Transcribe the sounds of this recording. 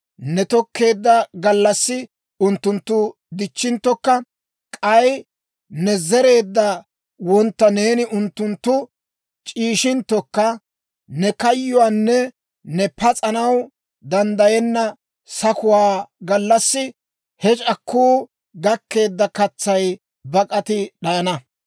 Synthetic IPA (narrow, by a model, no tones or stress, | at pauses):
nɛt̪ɔkːe̞ːd̪ːɐɡɐlːɐsːɪ | ʊnt̪ːʊnt̪ːʊ | d̪ɪt͡ʃːɪnt̪ːɔkːɐ | kʼɐj | nɛzɛɾe̞ːd̪ːɐ | wɔnt̪ːɐne̞ːnɪʔʊnt̪ːʊnt̪ːʊ | t͡ʃʼiːʃɪnt̪ːɔkːɐ | nɛkɐjːʊwanːɛ | nɛpɐt͡sʼɐnɐw | d̪ɐnd̪ɐjɛnːɐ | sɐkʊwaːɡɐlːɐsːɪ | hɛt͡ʃʼɐkʰːuː | ɡɐkːe̞ːd̪ːɐkɐt͡sːɐj | bɐkʼɐt̪ɪɗɐjɐnɐ